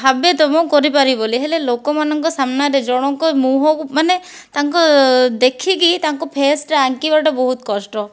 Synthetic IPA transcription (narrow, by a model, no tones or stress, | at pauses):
bʱabet̪ɔmɔ̃kɔɾipaɾiboliɦelelokɔmanɔŋkɔsamnaɾed͡ʒɔɽ̃ɔŋkɔmuɦɔkumane | t̪aŋkɔd̪ekʰikit̪aŋkɔpʰesʈɾeaŋkibaʈɔbɔɦut̪kɔsʈɔ